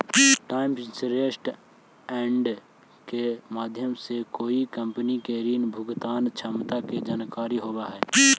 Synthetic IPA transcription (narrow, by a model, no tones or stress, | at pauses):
ʈaːɪmsɾeːsʈ | ɛ̃ːɳɖ | kemaːd̪ʱjəmsekoːikə̃mpənikeɾiːnbʱʊɡt̪aːnt͡ʃʰəmt̪aked͡ʒaːnkaːɾiɦoːbaɦɛː